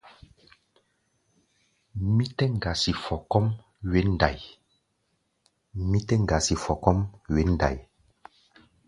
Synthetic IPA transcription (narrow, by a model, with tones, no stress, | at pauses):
mi˦tɛ˦ŋ˨ɡa˨si˨fɔ˨kɔ˦m | we˦nda˨j | mi˦tɛ˦ŋɡa˨si˨fɔ˨kɔ˦mwe˦n˨da̰˨j